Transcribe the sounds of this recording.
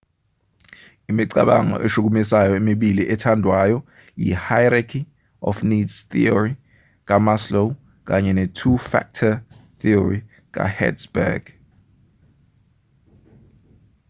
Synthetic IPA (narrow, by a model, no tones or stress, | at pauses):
imiǀaɓaŋɔ̰ʔeʃuk̬umisajɔemiɓiliʔɛtʰandʱwajɔ | jḭhajɾakʰi | ɔ̰fnidz̥θḭɔɹi | k̬ʼamaslo | k̬ʼaɲɛnetʰufa̰k̚tʰaθiɔri | k̬ʼa̰hɛ̰dsbɛ̰ɡ̥